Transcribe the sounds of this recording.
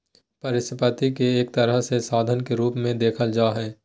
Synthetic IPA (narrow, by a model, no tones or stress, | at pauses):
pɐɾɪsɪpət̪ikeeːk̚t̪ɐɾəɦsesaːd̪ʱənkeɾuːpmẽd̪eːkʰəld͡ʒaːɦɛː